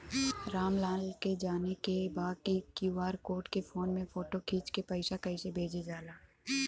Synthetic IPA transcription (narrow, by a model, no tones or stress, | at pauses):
ɾaːmlãːlked͡ʒaːnekebaːd̪̚kikjuːaːɾkoːɾʈkefoːnmẽfoːʈokʰiːt͡ʃkepɐɪʃakɐɪsebʱeːd͡ʒed͡ʒaːlaː